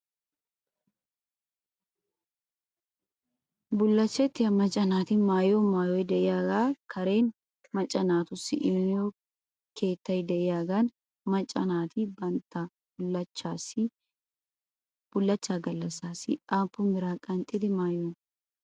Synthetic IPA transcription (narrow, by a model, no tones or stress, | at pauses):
bʊlːɐt͡ʃːɛt̪ːɪjɐmɐt͡ʃʼːɐnaːt̪ɪmaːjomaːjojd̪ɛʔɪjaːɡaːkʰɐɾe̞ːn | mɐt͡ʃʼːɐnaːt̪ʊsɪ̰ʔɪmjo | kʰe̞ːt̪ːɐjd̪ɛʔɪjaːɡaːn | mɐt͡ʃʼːɐnaːt̪ɪbɐnt̪ːa | ɐt͡ʃːaːsɪ | b̥ʊlːɐt͡ʃːaːɡɐlːɐsaːsɪaːpːʊmbɪɾaːkʼɐnt̪ʼɪd̪ɪmaːjoːn